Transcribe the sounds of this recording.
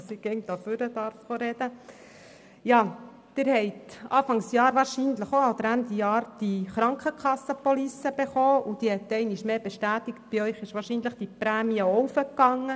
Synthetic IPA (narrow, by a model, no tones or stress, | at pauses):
sɪɡɛŋt̪ɑføɾəd̪ɑɾfχoɾɛd̥̪ə | jɑː | d̥̪ɪɾhɛɪtɑːfɑŋsjɑːɾʋɑːɾʃiːnləχoɑld̪əɾændijɑːɾd̥iχɾɑŋkχəkʰχɑsːəpɔlisəb̥eχoːud̥̪ihɛt̪ːɛɪniʃmeːbeʃtæːt̪ɪkt̚b̥iœʏχɪʃʋɑːɾʃiːnləχd̥ipɾæːmiəɔwfəkːɑŋːə